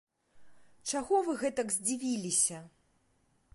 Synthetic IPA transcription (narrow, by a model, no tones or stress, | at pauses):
t͡ʂaɣɔvɨɣɛt̪ɐɡzʲd͡zʲivʲilʲisʲɐ